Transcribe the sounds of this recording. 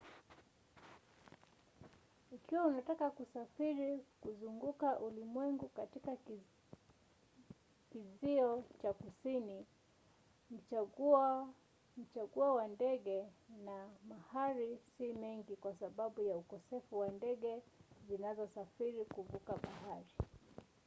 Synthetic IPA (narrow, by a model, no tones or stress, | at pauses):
ikiwaunatakakusafiɾikuzuŋɡukaʔulimwɛŋɡukatika | kiziɔt͡ʃakusini | m̩ | m̩t͡ʃaɠuawandɛɡɛnamahaɾisimɛŋɡikwasaɓaɓujaukɔsɛfuwandɛɠɛzinazɔsafiɾikuvukaɓahaɾi